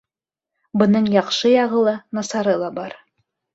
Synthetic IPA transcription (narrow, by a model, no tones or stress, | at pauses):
bɤ̆nɤɴjɑqʃɤjɑʁɤ̆lˠɤnɑsɑɾɤlˠɑbɑɾ